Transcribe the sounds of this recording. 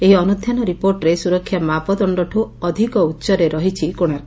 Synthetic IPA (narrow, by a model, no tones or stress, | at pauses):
eɦiɔnud̪ʱjanɔɾipoɾʈɾesuɾɔkʰːjamapɔd̪ɔɳɖɔʈʰuɔd̪ʱikɔut̪ːsɔɾeɾɔɦit͡ʃʰikoɽ̃a